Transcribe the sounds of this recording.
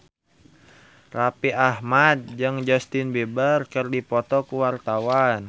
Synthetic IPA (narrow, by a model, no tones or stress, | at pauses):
rapiʔahmat̪̚d͡ʒɨŋd͡ʒɔst̪ɪnbebərkərdipɔt̪ɔkuwart̪awan